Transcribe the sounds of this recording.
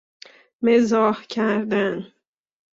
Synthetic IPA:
mezɒːhcʰæɾd̪æn

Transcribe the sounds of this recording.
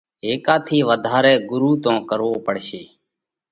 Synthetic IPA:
ɦeːkaːt̪ʰiːʋəd̪ʱaːɾɛːɡʊɾuːt̪õːkəɾʋoːpəɽ̤ʃeː

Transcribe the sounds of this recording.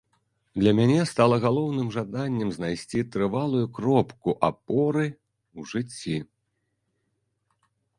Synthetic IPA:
d̪lʲɐmʲanʲɛst̪alˠɐɣalˠɔwnɨmʐad̪anʲːɛmznajsʲt͡sʲit̪ɾɨvalˠujukɾɔpkuʔapɔɾɨ | wʐɨt͡sʲːi

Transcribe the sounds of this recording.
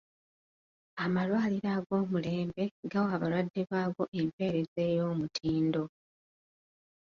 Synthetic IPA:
amalwaːliɾaːɡo̞ːmule̞ːmbe̞ɡawaβalwadːiβaːɡo̞ʔe̞mpe̞ːɾe̞ze̞ːjo̞ːmutʰiːndo̞

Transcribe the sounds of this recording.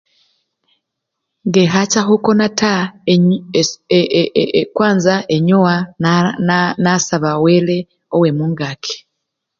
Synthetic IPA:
ŋɡeɦat͡ʃaɦokonata | kwaːnzaʔeɲowa | nasaβawele | owemuːŋɡakʰe̥

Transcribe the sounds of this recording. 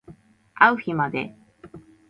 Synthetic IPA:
awhimad̪ḛ

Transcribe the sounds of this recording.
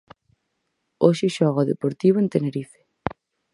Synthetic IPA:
oʃɪʃɔɣaðepoɾt̪iβoẽnt̪eneɾife̥

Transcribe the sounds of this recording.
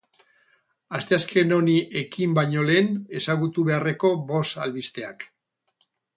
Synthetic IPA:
ast̪e̞aske̞no̞niʔe̞kimbajɲo̞le̞ːne̞saɣ̞ut̪uβe̞are̞ko̞bo̞salβist̪e̞ak

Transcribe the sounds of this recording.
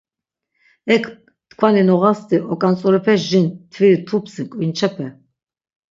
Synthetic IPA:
ɛkʰ | t̪kʰvaninɔʁast̪iʔɔkʼant͡sʼɔɾɛpʰɛsʒint̪ʰviɾit̪ʰupʰsikʼvint͡ʃʰɛpʰɛ

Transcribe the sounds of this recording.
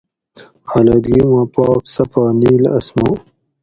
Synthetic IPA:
haːlɐd̪ɡiwãːpaːksɐfaːniːlɐ̰smõː

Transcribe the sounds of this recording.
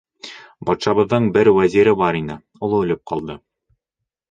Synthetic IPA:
bɒt̪ʃɑβɤ̆ðːɤɴbɘɾwæziɾɘbɑɾinɘ | ŏlˠɤɵ̆lɘp̚qɑlˠd̪ɤ

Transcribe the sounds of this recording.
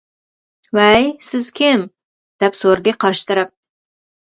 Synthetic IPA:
wɛjsɪz̥kʲʰɪm | d̪̥ɛpsoɾɨd̪ɨqʰɑɾʃɨ̥t̪ɨɾɨp̚

